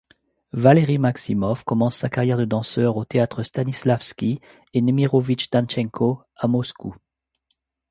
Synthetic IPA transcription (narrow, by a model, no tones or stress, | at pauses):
valeʁimaksimɔfkɔmɑ̃sːakaʁjɛʁd̪əd̪ɑ̃sœʁot̪eat̪χəst̪anislafskʲi | enemiʁɔvit͡ʃd̪̥ant͡ʃɛ̃ŋkʰo | amɔsku